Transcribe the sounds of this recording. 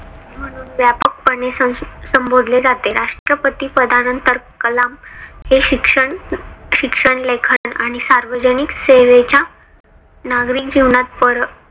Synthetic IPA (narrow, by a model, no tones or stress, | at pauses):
m̤əɽ̃uːnʋjapək̚pəɳesəsəmbod̪ʱled͡zat̪eɾaʂʈɾəpət̪iːpɾəd̪ʱanənt̪əɾkəlamɦeɕikʂəɳɕikʂəɳlekʰəəna̰ɽ̃isaɾʋəd͡ʑənikseʋet͡ɕa | naɡɾiːkd͡ʑiʋɳat̪̚pəɾ